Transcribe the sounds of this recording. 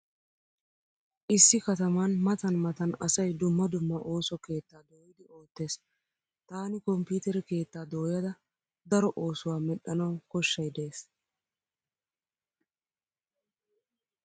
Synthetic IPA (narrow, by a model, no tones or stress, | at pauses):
ʔɪsːɪkɐt̪ɐmɐnmɐt̪ɐnmɐt̪ɐnɐsɐjd̪ʊmːɐd̪ʊmːɐʔo̞ːsɔke̞ːt̪ːaːd̪o̞ːjɪd̪ɪo̞ːt̪ːe̞ːs | t̪aːnɪkɔmpuːt̪ɛɾɪke̞ːt̪ːaːd̪o̞ːjɐd̪ɐ | d̪ɐɾɔʔo̞ːsʊwaːmɛɗɐnɐwkɔʃːɐjd̪eeːs